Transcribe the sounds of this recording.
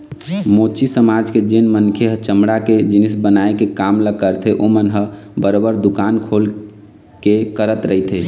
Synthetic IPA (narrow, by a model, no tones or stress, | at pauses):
mot͡ʃʰisəmad͡ʒked͡ʒenmənkʰeɦət͡ʃəmɽaked͡ʒinisbənaekekamləɡkəɾt̪ʰeʔomənɦə | bəɾobəɾd̪ukankʰol | kekəɾət̪ɾəɦit̪ʰe